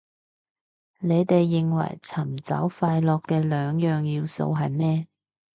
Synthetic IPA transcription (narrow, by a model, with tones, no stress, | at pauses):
ne˨˧jt̪e˨jːɪ˨ŋwɐ̰˨˩jt͡sʰɐ˨˩mt͡sɐ̰˨˥wfaː˧jlɔː˨kːɛː˧lœː˨˧ŋjœː˨ŋjiː˧wso̰˧wɦɐ˨jmɛː˥